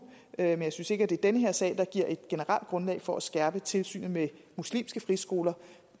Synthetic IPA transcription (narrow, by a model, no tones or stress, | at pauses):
menjɑ̈ɪsynse̝ɡ̥æd̥e̝ɐd̥enəɦeɐ̰sɛ̰ːɪd̥ɑ̈ɡ̥iɐ̰ʔe̝d̥ɡ̥e̝nəʁäl̰d̥̚ɡ̥ʁɔ̽nlɛ̰ɪfɒ̽æsɡ̥æɐb̥ət͡sʰe̝lsy̰ːnð̩ˠmemuslḭːmsɡ̥əfʁisɡ̥o̝ːlɐ